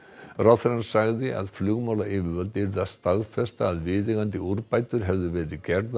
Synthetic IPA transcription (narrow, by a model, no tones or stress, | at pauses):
raθɾansaɣðɪʔa̰ðflʏɣmawlaɪvɪɾvœlt̪ɪɾðast̪aðfɛst̪aːðvɪðɪɣant̪ɪuɾpaːjt̪ʏɾ̥ɦɛvðʏvɛːɾɪðcɛɾð